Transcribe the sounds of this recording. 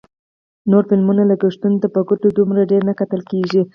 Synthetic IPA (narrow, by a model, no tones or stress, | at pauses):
noɾfɪlmunalaɡaʂt̪unt̪əpəɡʊt̪od̪umɾaɖeɾnakat̪əlkeʒi